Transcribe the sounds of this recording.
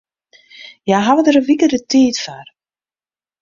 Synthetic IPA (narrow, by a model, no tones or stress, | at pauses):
jaɦavədəɾəʋikədətʰiːtfar